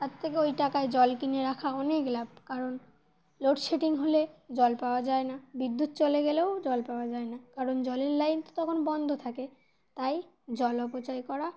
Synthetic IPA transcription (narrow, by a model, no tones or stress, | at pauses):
t̪at̪ʰːekeojʈakaed͡ʑɔlkineɾakʰaɔneklab̚ʱkaɾon | loʈʃeʈiŋɦoled͡ʑɔlpaoad͡ʑaenabid̪ːut̪̚t͡ɕoleɡeleod͡ʑɔlpaoad͡ʑaenakaɾond͡ʑɔleɾlajnt̪o̥t̪ɔkʰonbɔnd̪ʱot̪ʰake | t̪aj | d͡ʑɔlɔpot͡ɕajkɔɾa